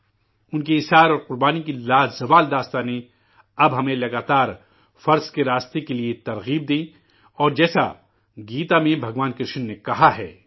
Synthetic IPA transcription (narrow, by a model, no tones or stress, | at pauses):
ʊnk̬iɪsɦaːɾɔːɾqʊɾbaːnikilaːzɐʋaːld̪aːst̪ane | ɐbɦɐmẽlɐɡaːt̪aːɾ | fɐɾzkeɾaːst̪ekeliet̪ɐɾɣiːb̚d̪ẽː | ɔːɾd͡ʒɛːsa̰ | ɡiːt̪amẽbʱɐɡʋaːnkɾɪʃənːekɐɦaɦɛ̰ː